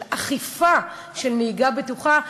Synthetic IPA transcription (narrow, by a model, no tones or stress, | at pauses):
aχifa | ʃelmeiɡabetuχa